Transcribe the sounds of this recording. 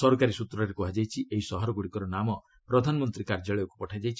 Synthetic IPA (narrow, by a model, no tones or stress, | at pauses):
sɔɾkaɾisut̪ɾɔɾekuɦad͡ʒajt͡ʃʰiʔeɦisɔɦɔɾɔɡuɽikɔɾɔnamɔ | pɾɔd̪ʱanɔmɔnt̪ɾikaɾd͡ʒaɭɔjɔku̥pɔʈʰajd͡ʒajt͡ʃʰi